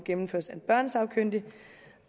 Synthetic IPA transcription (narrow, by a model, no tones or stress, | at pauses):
ɡ̥emm̩føɐ̰sæb̥ɶɐ̰nsɑ̈ʊkʰøn̰d̥i